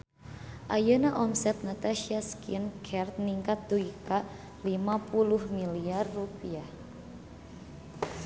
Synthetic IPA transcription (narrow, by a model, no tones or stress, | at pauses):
ʔajənaʔɔmsɛt̪̚nat̪aʃiaskinkʰɛrt̪̚niŋkat̪̚d̪uika | limapuluhmiliarːupiah